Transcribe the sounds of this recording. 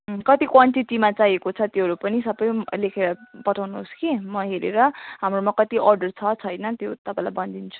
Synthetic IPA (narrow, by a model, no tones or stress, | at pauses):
kʌt̪ikwaɳʈiʈimat͡sajekot͡sʰʌt̪joɦʌɾupʌnisʌbʌjlekʰeɾʌpʌʈʰawnuɦoskimʌɦeɾeɾʌɦamromakʌt̪iʔʌrɖʌrt͡sʰʌt͡sʰʌjnʌt̪jot̪ʌpãĩlajbʌnd̪int͡sʰu̥